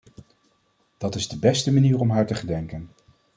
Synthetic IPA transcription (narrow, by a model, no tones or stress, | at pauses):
d̥ɑtɪzdəbɛstəmaniːɹɔmɦaːɹtəχədɛŋkən